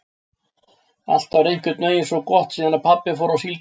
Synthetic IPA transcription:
a̰l̥t̪avɾejŋ̥cʏt̪nœːjɪnsɔkɔht̪siːðanapʰapːɪfowɾasil

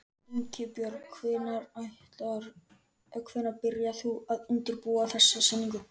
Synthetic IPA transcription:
iŋcɪpjœɾkʰvɪnaɾajht̪laɾ | œkʰvɪnaɾpɪɾjaθuaðʏnt̪ɪɾpuːaθɛsːasɛnːiŋkʏ

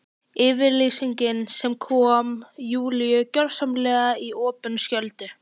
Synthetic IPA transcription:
ɪːvɪɾliːsiɲcɪnsɛmkʰɔːmjuːlijʏcœɾsamlɛːɣaiɔːpʏnscœlt̪ʏ

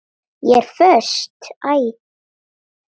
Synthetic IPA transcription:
jɛɛɾ̥fœst̪aːj

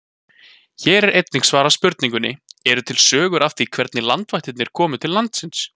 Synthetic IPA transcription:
çɛːɾɛɾejt̪nɪŋksvaːɾaspʏɾt̪niŋkʏnːɪ̰ɛɾʏt̪ʰɪlsœːɣʏɾʔaft̪ikʰv̥ɛɾt̪nɪlant̪vaht̪ɪt̪nɪɾ̥kʰɔːmʏt̪ʰɪllːant̪sɪns

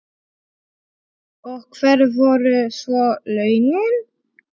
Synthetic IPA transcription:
ɔkʰvɛɾvɔɾʏsvɔlœɥnɪn

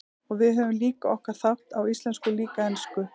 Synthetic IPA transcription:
ɔɣvɪðɦœvʏmliːkaʔɔhkaɾ̥θawht̪awist̪lɛnskʏliːkaɛnskʏ

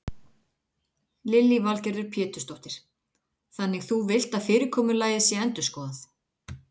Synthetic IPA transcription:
lɪlːivalcɛɾðʏɾ̥pʰjɛːt̪ʏ̥st̪owht̪ɪɾ̥ | θanːɪɣθuvɪl̥t̪aðfɪːɾɪɾkʰɔːmʏɾlaːjðɪsjɛɛnt̪ʏ̥skɔːðaθ

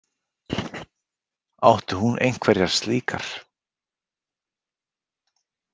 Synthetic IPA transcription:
awht̪ʏhunʔḛjŋ̥kʰvɛɾjaɾ̥st̪liːkaɾ̥

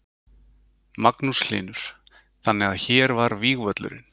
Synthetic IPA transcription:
maknuslɪ̰ːnʏɾ̥ | θanːɛɣaðçɛːɾvaɾviːɣvœt̪lʏ̰ɾɪ̰n

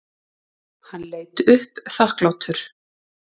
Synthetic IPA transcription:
hanleːjt̪ʏhpθahklawt̪ʰʏɾ̥

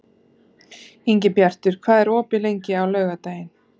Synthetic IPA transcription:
iɲcɪpjar̥t̪ʏɾ̥kʰv̥aːðɛɾɔːpɪlejɲcɪawlœːɥɣat̪aːjɪn

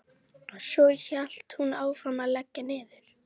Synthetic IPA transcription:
ɔsɔçal̥t̪hunaːwfɾamaðlɛcːɪnɪːðʏɾ̥

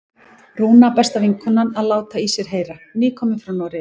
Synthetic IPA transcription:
ruːnapɛst̪aviŋkʰʏnːanaðlaːwt̪aisjɛɾ̥ɦeːjɾaniːkʰɔːmɪfɾawnɔwɾɪ

